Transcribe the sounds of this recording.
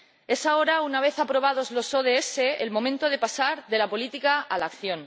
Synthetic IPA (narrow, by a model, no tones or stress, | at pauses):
e̞sao̞ɾaunaβ̞e̞θapɾo̞β̞að̞o̞zlo̞so̞ð̞eese̞elmõ̞mẽnt̪o̞ðe̞pasaɾðe̞lapo̞lit̪ikaalakθjõ̞n